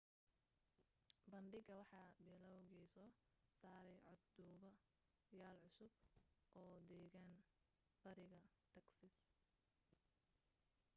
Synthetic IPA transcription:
bɐnɖɪɡɐwɑħɑːbɛlɐwɣisɔːsaːɾɛjʕɔd̪d̪uːβɐ | jaːlʕʊsʊbʔɔːd̪ɛːɣaːn | bɐɾɪɣɐ | t̪ʰɐksɪs

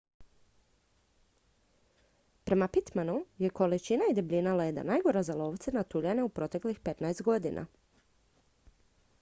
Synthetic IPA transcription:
pɾe̞mapit̪manuje̞ko̞lit͡ʃinaid̪ebʎʲinaled̪a̰najɡo̞ɾazalˠo̞ːʋt̪senat̪uʎaneupɾo̞t̪e̞klixpe̞t̪naest̪ɡo̞d̪inʔa̰

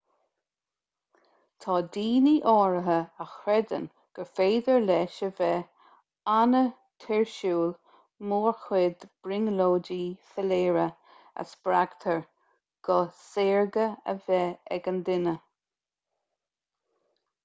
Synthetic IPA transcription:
t̪ʰɑːd̪iːniʔɔːɹəɦəəxɾɛd̪ə̰n | ɡ̥əfeːd̪əɹlɛːʃəvɛ | anə | t̪ʰɪɹʃuːl | moːɹxwɪd̪b̥ɹɪŋloːdiːfəleːɹə | ə̰sb̥ɾaɡ̥t̪ʰəɹ | ɡ̥ɔseːɹɡəə̰vɛɛ̰ɡənd̪ɪnə

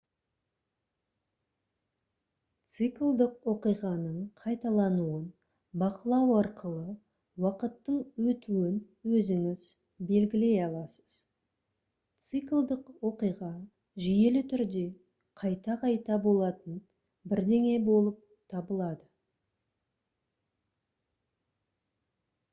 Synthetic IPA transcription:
t̪sɨklˠd̪əqwo̞qijʁɑnəɴqʰɑjt̪ɑlˠɑnuən | bɑqəlˠɑwɑɾqʰəlˠə | wɑqət̪ːəɴwɵt̪uɪn | wɵzɪŋɪz̥ | be̞lɡʲɪle̞jɑlˠɑsə̥z̥ | t̪sɨklˠd̪əqwo̞qijʁɑ | ʒije̞lɪt̪ʰʏɾd̪e̞ | qʰɑjt̪ɑqʰɑjt̪ɑbo̞lˠɑt̪ən | bɪɾd̪e̞ŋe̞bo̞lˠəp̚ | t̪ʰɑbəlˠɑd̪ə

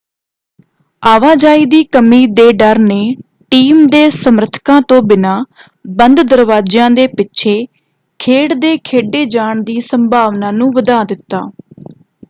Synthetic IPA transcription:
aːʋaːd͡ʒaːiːd̪iːkəmiːd̪eːɖəɾneː | ʈiːmd̪eːsəmɾət̪ʰkãːt̪õːbɪnaː | bənd̪d̪əɾʋaːd͡ʒãːd̪eːpɪtːʃʰeː | kʰeːɽd̪eːkʰeːɖeːd͡ʒaːɳd̪iːsəmbʱaːʋnaːnũːʋəd̪aːd̪ɪt̪ːaː

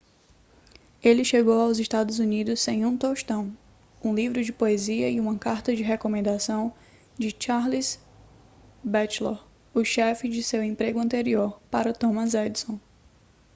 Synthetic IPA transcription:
elɪʃeɡowawzɪʃt̪ad̪ʊzunid̪ʊsːẽj̃ũt̪oʃt̪ɐ̃w̃ | ũlivɾʊd͡ʒɪpoeziɐiũmɐkaɾt̪ɐd͡ʒɪɦekomẽnd̪asɐ̃w̃ | d͡ʒɪt͡ʃaɾlis | bɛt͡ʃloɾ | ʊʃɛfɪd͡ʒɪsewẽpɾeɡʊɐ̃nt̪eɾioɾpaɾɐt̪õmɐzɛd̪sõ

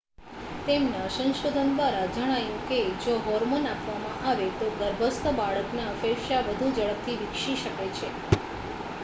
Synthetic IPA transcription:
t̪emnasə̃nʃod̪ʱənd̪ʋaɾad͡ʒəɽ̃ajũked͡ʒoɦɔɾmonapʋamãʔaʋet̪oɡ̪əɾbʱəst̪əbaɭəknaəfeʃaʋəd̪ʱud͡ʒəɭəp̚t̪ʰiʋɪkʃiʃəket͡ʃʰe

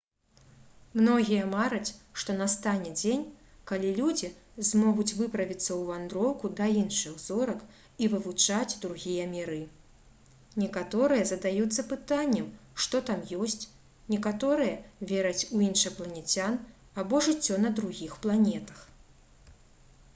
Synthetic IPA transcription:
mnɔɣʲijɐmaɾɐt͡sʲʂt̪ɔnast̪anʲɛd͡zʲenʲkalʲilʲud͡zʲizmɔɣut͡sʲvɨpɾɐvʲit̪sːɐwvand̪ɾɔwkud̪ɐinʂɨxzɔɾɐk | ivɨvut͡ʂad͡zʲd̪ɾuɣʲijɐmʲiɾɨ | nʲɛkat̪ɔɾɨjɐzɐd̪ajut̪sːɐpɨt̪anʲːɛmʂt̪ɔt̪amjɔsʲt͡sʲ | nʲɛkat̪ɔɾɨjɐvʲeɾɐt͡sʲuinʂɨplˠɐnʲɛt͡sʲan | abɔʐɨt͡sʲːɔnɐd̪ɾuɣʲixplˠanʲɛt̪ɐ̥x

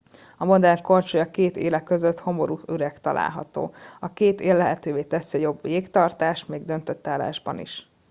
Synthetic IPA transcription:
ɒmo̞d̪ɛŋko̞nt͡ʃojɒkeːt̪ḛːlɛkːøzøt̪ho̞mo̞ɾuyɾɛkt̪ɒlʔa̰ːlɦɒ̰t̪o̰ːɒkeːt̪eːlːɛɦɛt̪øːveːt̪ɛsiɒjo̞bʋeːkt̪ɒrt̪aːʃt̪meːɡ̚d̪ønt̪ø̞t̪ːaːla̰ːʒbɒ̰nḭʃ

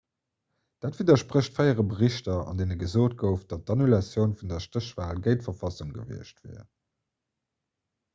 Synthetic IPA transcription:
d̥aːtviːdɐʃpʁəɕtfæɪəʁəbəʁiɕtɐɑ̰ndeːnəɡəzoːt̚ɡəʊfd̥ɑt̚dɑnulɑsjəʊnfundɐʃtʁəɕv̥aːlɡəɪtfɐfɑsuŋɡə̰vḭəɕtvɛ̰ː

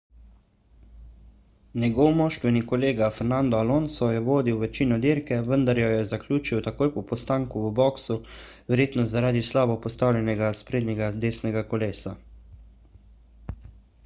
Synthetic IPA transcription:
nɛɡɔwmɔːʃt̪ʋɛnikɔleːɡafɛɾnand̪ɔalonsɔjɛʋoːd̪iwʋɛt͡ʃiːnɔd̪iːɾkɛʋənd̪aɾjɔjɛzaklʲuːt͡ʃiwt̪akoːjpɔpɔst̪aːŋkuəbɔksu | ʋɛɾjeːt̪nɔzaɾaːd̪islaːbɔpɔst̪awlʲjɛnɛɡaspɾeːd̪nɛɡad̪eːsnɛɡakɔleːsa

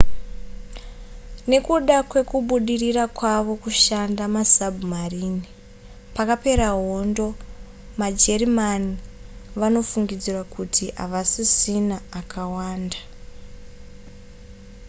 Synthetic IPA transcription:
ne̞kuɗakwe̞kuɓuɗirirakwaʋo̞kuʃandamasabʱumariːni | pakape̞ɾaɦo̞ndo̞ | mad͡ʒe̞rimaniʋano̞fuŋɡid͡zirwakutʰia̰ʋasisinaːkʰawaːnda

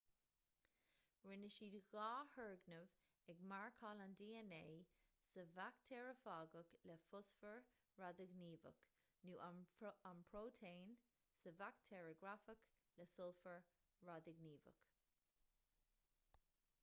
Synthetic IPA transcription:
ɹɪnəʃiːd̪ɣɑːhɜɹɡnəv | ɛɡmaɹkʰɑːland̪iːɛneːsəvakt̪ʰɛːɹəfɑːɡəkləfʊsfəɹ | ɹadəɡniːvə̰k | nuːʔanpʰɹoːtʰeːn | səvakt̪ʰɛːɹəɡɾafək | ləsʊlfəɹ | ɹadəɡniːvə̰k

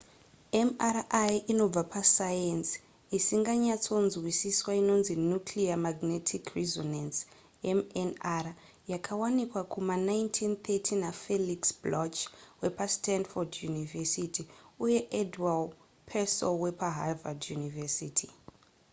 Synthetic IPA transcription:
emarʔajino̞b͡vapasajens | isiŋɡaɲat͡so̞nzwisiswaino̞nzinukliamaɡnetʰikrizonans | emenara | jakʰawanikwakʰumanajntʰint̪ʰetʰinafeliksblot͡ʃwe̞pastandfodjunivesitiuje̞ʔedwal | pʰesolwe̞paɦavadjunivesitʰi

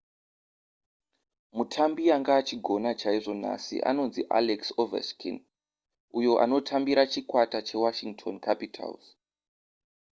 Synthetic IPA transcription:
mutʰambiaŋɡaːt͡ʃiɡʱo̞nat͡ʃaiʐo̞n̤a̰sḭʔa̰no̞nziʔa̰leksovḛskʰḭn | ujo̞ʔa̰no̞tʰambiɾat͡ʃikwatat͡ʃe̞waʃiŋɡtʰo̞nkʰapitʰa̰lz

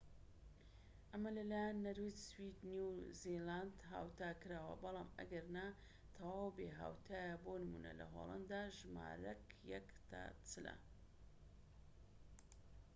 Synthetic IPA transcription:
ʔɐmɐlɐlaːjanːɐɾwiswid̪njuziland̪ɦa̰ːwt̪aːkɨɾaːwɐ̰bɑlˠɑːmɐ̰ɡɐɾna | t̪ʰɐwaːwbeɦa̰ːwt̪ʰaːjabonɨmṵnɐ̰lɐ̰ɦo̰lˠa̰nd̪aːʒma̰ːɾɐkjɛ̰kt̪ʰa̰t͡sɨlɐ̰

